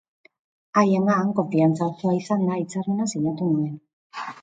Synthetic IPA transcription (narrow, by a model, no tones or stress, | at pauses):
ajeŋɡaːŋko̞ɱfiant͡saut̪uaisand̪ait͡sarmenasiɲat̪unoen